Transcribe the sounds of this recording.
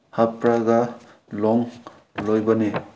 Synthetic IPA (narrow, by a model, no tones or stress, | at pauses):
hapɾaɡa | lɔŋ | lojbane